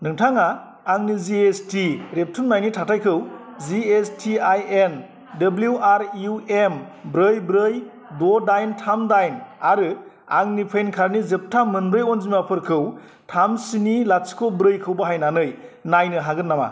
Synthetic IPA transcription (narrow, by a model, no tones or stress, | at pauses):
nɯŋtʰaŋaː | ŋniziestiɾep̚tʰɯmnajnitʰatʰajkʰɯwziestʰiajen | dɐbluaɾiuembɾɯjbɾɯj | dodajntʰamdajnaɾɯ | aŋnipʰejnkʰaɾnizɯp̚tʰamɯnbɾɯjɔnzimapʰɯɾkʰɯw | tʰamsinilaskʰobɾɯjkʰɯwbaɦajnanɯjnajnɯɦaɡɯnːama̰